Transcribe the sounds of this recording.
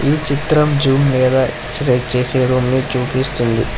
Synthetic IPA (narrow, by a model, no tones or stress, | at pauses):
iːt͡ʃit̪ɾɐmd͡ʒuːmlɛːd̪aːeksɐsɐjzt͡ʃe̞ːseːɾuːmniːt͡ʃuːpist̪und̪i